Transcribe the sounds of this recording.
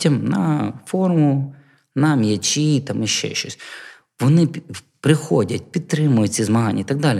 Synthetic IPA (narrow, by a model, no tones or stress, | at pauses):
tʲɐmnɐfɔrmʊ | nɐmjɐt͡ʃʲit̪ɑmiʃt͡ʃɛ̰ʃt͡ʃɔsʲ | ʋɔnɪ | pɾɪxɔdʲɐtʲpʲid̪̚t̪ɾɪmʊjʊizmɐɦɑnʲːɐit̪ɐɡ̚d̪ɑlʲi